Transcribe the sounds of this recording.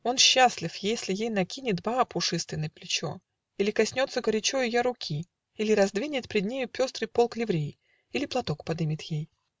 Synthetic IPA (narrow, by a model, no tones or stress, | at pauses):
o̞nɕːasʲlʲɪfjesʲlʲɪjejnɐkʲinʲɪt̪baapʊʂɨst̪vʲɪnːəjplʲɪt͡ɕo̞̰ | ilʲɪkɐsʲnʲo̞t̪səɡəɾʲɪt͡ɕojʊjaɾʊkʲʰi | ilʲɪɾɐzd̪vʲinʲɪt̪pʲɾʲɪd̪̚ʲnʲejʊpʲo̞st̪ɾɨjpo̞lˠklʲɪvɾʲej | ilʲɪplˠɐt̪o̞kpɐd̪ɨmʲɪt̪jej